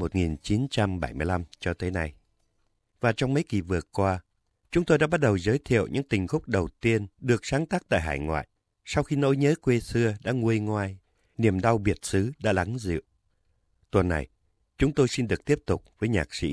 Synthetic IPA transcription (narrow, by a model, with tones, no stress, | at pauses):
mo˨˩t̚ŋi˨˩nt͡ɕi˨˦nt͡ɕa˧mɓa˧˩jmɨ˧əjla˧mt͡ɕɔ˧t̪ə˨˦na˧j | vaː˨˩t͡ɕɔ˧wŋ͡mmə˨˦jki˨˩vɨ˨˩əkwaː˧ | t͡ɕʊ˨˦ŋ͡mt̪o˧jɗa̰ː˧˥ɓa˦˥t̚ɗə˨˩wzəː˨˦jt̪ʰḭ˧˨əwɲɨ̰˧˥ŋt̪ï˨˩ŋ̟xʊ˦˥k͡p̚ɗə˨˩wt̪i˧ənɗɨ˨˩ək̚saː˨˦ŋt̪aː˦˥k̚t̪a̰ː˧˨jɦaː˧˩jŋwa̰ː˧˨jʔ | sa˧wxi˧no̰˧˥jɲəː˨˦kwe˧sɨ˧əɗa̰ː˧˥ŋu˧əjŋwaː˧j | ni˨˩əmɗa˧wɓi˨˩ət̚sɨ˨˦ɗa̰ː˧˥la˨˦ŋzɨ̰˧˨ə˨w | t̪wə˨˩nːa̰˨˩j | t͡ɕʊ˨˦ŋ͡mt̪o˧jsi˧nɗɨ˨˩ək̚t̪i˦˥əp̚t̪ʊ˨˩k͡p̚vəː˨˦jɲa̰ː˨˩k̚sḭ˧˥